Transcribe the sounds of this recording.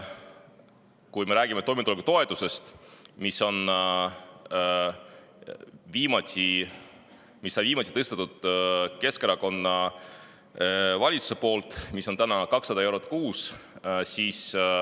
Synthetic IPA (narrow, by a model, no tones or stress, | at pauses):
kujme̞ɾæːɡ̥imet̪o̞jmet̪ulekut̪o̞e̞t̪use̞st̪miso̞n | viːmɑsi | misːɑviːmɑsʲi̥t̪ɤst̪et̪ːud̪̥ke̞skeɾɑko̞nːɑ | vɑlʲit̪su̥sepo̞ːlt̪ˑmiso̞nt̪ænɑkɑksːɑd̪ɑe̞wɾot̪ːˑkuːssiːs